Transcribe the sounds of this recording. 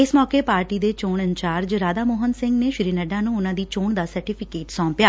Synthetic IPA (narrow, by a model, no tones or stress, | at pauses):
ɪsmɔːkeːpaːɾʈiːd̪eːt͡ʃoːɳɪ̃ɲt͡ʃaːɾd͡ʒɾaːd̪aːmoːɦənsɪ̃ŋɡneːʃɪɾiːnəɖãːnũːʊnãːd̪iːt͡ʃoːɳd̪aːsəɾʈipʰɪkeːʈsɔ̃ːmpɪjaː